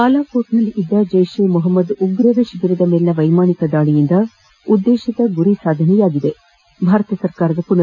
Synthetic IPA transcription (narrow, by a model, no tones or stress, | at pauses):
kaːlaːkoːʈnɐlid̪ːɐd͡ʒɐjʃeːmuɦɐmːɐd̪uɡɾɐʋeʃiɡiɾid̪ɐmeːlnɐʋɐjmaːnikɐd̪aːɭijind̪ɐ | ud̪ːeːʃit̪ɐɡuɾisaːd̪ʱɐnɛjaːɡid̪e̞ | bʱaːɾɐt̪ɐsɐɾkaːɾɐd̪ɐpunɐ